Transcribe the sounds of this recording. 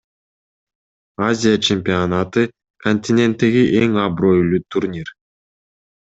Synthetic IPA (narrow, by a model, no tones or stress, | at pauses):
azʲɪjat͡ʃʰemʲpʲɪonat̪ɯ | kʰonʲt̪ʲɪnʲe̞nt̪ːe̞ɡiʔeŋɑbɾo̞jlˠut̪ʰurnʲir